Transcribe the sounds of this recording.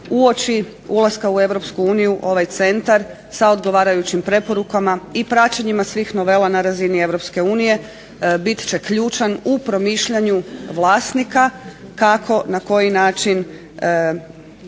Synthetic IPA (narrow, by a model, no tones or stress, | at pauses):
uot͡ʃi | ulˠaskaue̞ʋɾo̞pskuuːnijuʔo̞ʋajt̪se̞nt̪aɾ | sao̞d̪ɡo̞ʋaːɾajut͡ɕimpɾe̞po̞ɾukamaipɾat͡ɕaɲimasʋiːxno̞ʋe̞lanaɾazinie̞ʋɾo̞pske̞uːnije̞ | bit̪t͡ʃe̞kʎuːt͡ʃanupɾo̞miːʃʎaɲuʋlˠaːst̪nikakakʰo̞nako̞jinaːt͡ʃin